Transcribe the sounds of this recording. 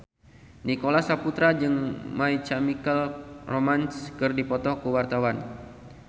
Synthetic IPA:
nikolasaput̪ɾad͡ʒɨŋmait͡ʃamikəlromanskɨrdipɔt̪ɔkuwart̪awan

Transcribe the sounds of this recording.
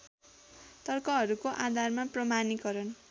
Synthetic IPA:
t̪ʌrkʌɦʌɾukoʔad̪ʱarmaprʌmanikʌɾʌn

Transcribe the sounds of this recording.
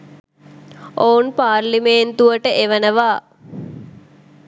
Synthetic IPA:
ounpaːrlimeːnt̪uʋəʈəʔeʋənəʋaː

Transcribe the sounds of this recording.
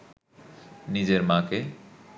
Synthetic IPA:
nid͡ʑeɾmãke

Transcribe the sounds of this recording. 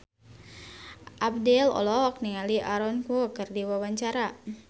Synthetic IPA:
ʔab̚dɛlɔ̰lɔɔk̚niŋaliʔaɾɔnkukɨrdiwawaɲt͡ʃaɾa

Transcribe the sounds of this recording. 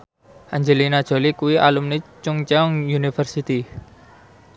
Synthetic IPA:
ʔaɲd͡ʒelinad̥ʒ̥o̤likuwiʔalumnit͡ʃuŋt͡ʃɔŋjunifərsit̪i

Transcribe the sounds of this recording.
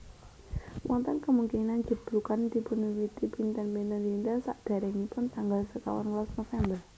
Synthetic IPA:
wʔɔnt̪ɔnkəmuŋkinand͡ʒ̥ə̤b̥lukand̪i̤pʊniwit̪ipint̪anpint̪andiint̪ansaʔd̪̥a̤ɾɛŋip̪ʊnt̪aŋɡalsək̪a̰wɔnklasnofɛmbər

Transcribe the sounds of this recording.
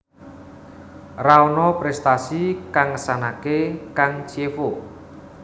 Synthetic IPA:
raonɔpɾɛst̪asikaŋəsanakekaŋt͡ʃefo

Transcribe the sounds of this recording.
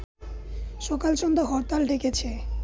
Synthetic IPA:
ʃɔkalʃond̪aɦɔɾt̪alɖeket͡ɕʰe

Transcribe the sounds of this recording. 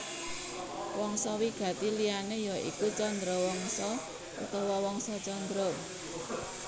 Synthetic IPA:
wɔŋsɔwiɡ̥a̤t̪ilianejɔʔḭkut͡ʃɔnd̪ɾɔwɔŋsɔ | ṵt̪ɔwɔwɔŋsɔt͡ʃɔnd̪ɾɔ

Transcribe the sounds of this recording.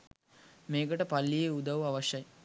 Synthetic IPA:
meːɡəʈəpɐlːijeud̪ɐʋaʋɐʃɐj

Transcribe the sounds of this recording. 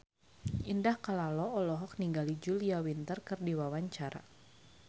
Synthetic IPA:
indahkalalɔɔlɔɦɔk̚niŋɡalid͡ʒuliawint̪ərkɨrdiwawaɲt͡ʃaɾa̰

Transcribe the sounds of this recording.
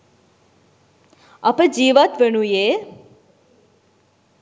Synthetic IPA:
ɐpəd͡ʒiːʋət̪ʋeɳ̃ujeː

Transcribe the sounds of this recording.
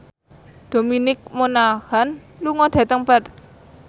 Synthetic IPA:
d̪̥o̤minɪk̚monahanluŋɔɖ̪̥ä̤t̪əŋpɛt̪

